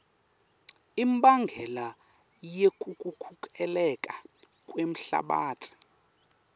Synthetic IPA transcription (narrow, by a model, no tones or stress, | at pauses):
imɓaŋɡʱɛla | jekʼukʼukʰukʼɛlɛkʼa | kʼwem̩ɬa̰ɓa̰ːtʰi̥